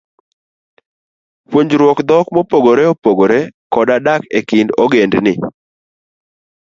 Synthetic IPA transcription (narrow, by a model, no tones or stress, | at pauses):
pwoɲd͡ʒɾwɔkd̪ɔkmɔpoɡoɾeopoɡoɾekɔdadakekɪndɔɡendnɪ̰